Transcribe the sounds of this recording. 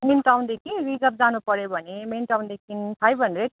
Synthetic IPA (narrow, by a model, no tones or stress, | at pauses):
menʈawnd̪ekʰiɾid͡zʌp̚d͡zanupʌɾebʱʌnemenʈawnd̪ekʰinpʰajbʱʌnɾeʈ̚